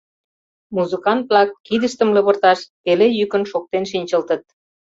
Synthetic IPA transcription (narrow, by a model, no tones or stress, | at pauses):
muzɨkɑnt̪̚plɑkːid̪əʃt̪ə̆mlə̆βə̆rt̪ɑʃt̪elejykənʃok̚t̪enʃinʲt͡ɕə̆lt̪ə̆t̪̚